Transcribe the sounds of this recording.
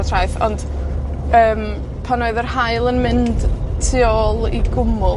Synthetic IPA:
ɔtʰrajθɔ̰nd̥ | əːm | pʰanoɨðərhaɨlˠənmɪnd̥tʰːɪɔlˠḭdɡʊmʊ

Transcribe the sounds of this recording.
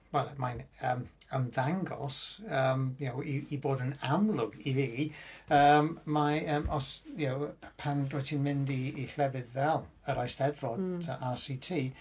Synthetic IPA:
wɛlˠmajnəːməmðaŋɡɔ̰lˠsəmjawiːboːdənamlˠʊɡiviəmmaəːmʔɔsjawpʰandwɔtʰinmɪ̃ndiːɬlɛvɨðvɛlˠ | əɾajsdɛdvɔdtʰəʔasitʰiː

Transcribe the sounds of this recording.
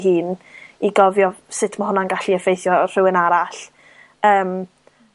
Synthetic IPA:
ɦɨːniɡɔvjɔsɪtʰmaɦʊnanɡaɬiəfejθjɔr̥ɪwənaɾaɬ | əːm

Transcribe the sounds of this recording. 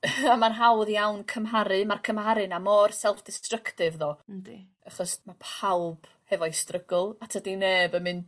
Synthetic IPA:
amanɦawðjawnkʰəmɦaɾɨmarkʰəmhaɾɨnamɔrsɛlˠfd̥ɪstrəkʰtɪvðɔ̥ | aχɔsmapʰawb̥ | hɛvɔistrəɡʊlˠatʰədineːbəmɨn

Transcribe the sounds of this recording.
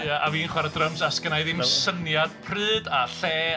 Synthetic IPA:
jaʔaviːnχwɛɾədrəmsaskənajɨðɪnsənjad̥pʰrɨːdaɬɛː

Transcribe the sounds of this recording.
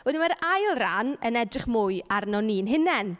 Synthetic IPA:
wɛdɪnmaɾajlˠranənɛdrɪχmʊɨarnɔniːnɦɪnɛn

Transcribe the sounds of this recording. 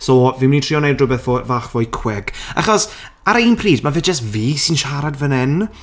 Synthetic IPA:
sɔːviːmnitʰriɔnejdrʊbɛθvovaːχvɔːjkʰwɛɡ̥a̰χɔs | aɾaiːnpʰriːdmavɛd͡ʒəstviːsɪnʃaɾadvənɛn

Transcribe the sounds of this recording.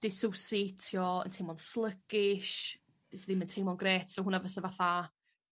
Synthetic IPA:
d̥ɪsɔwseːtʰjɔə̰ntʰejmɔnslˠəɡ̥ɪʃ | b̥isəðɪməntʰejmɔnɡreːtʰsɔhʊnavəsəvaθa

